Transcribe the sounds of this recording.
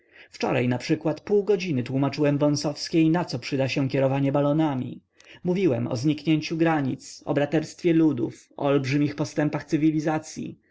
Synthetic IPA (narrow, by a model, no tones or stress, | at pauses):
ft͡ʂɔ̰ɾajnapʂɘkwat̪puwɡɔd͡ʑinɘt̪wumat͡ʂɘwɛmvɔ̃w̃sɔfskʲejnat̪sɔpʂɘd̪aɕɛ̃kʲɛɾɔvaɲɛbalɔnamʲḭ | muvʲiwɛmɔ̰zɲikɲeɲt͡ɕuɡɾaɲḭt̪sɔ̰bɾat̪ɛɾst̪fʲjɛlud̪ṵfɔ̰ɔlbʐɘmʲixpɔst̪ɛmpaxt̪sɘvʲilʲizat̪sʲjḭ